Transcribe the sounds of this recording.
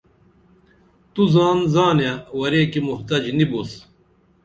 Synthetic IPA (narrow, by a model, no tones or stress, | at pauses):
t̪uzaːnzaːnjawɐɾeːkimuht̪ɐd͡ʑnibus